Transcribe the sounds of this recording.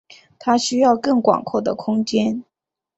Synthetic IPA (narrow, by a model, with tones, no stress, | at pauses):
t̪ʰa˥ɕy˥jɑ˥˧ʊkɤ˥˩ŋkwɑ̰˨˩ŋkʰɔ˥˩d̪ə̰˩kʰʊ˥ŋt͡ɕjɛ˥n